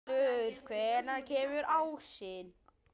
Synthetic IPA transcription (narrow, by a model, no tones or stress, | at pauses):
ʏɾ̥kʰvɛɾnaɾcʰɛːmʏɾaːwsɪn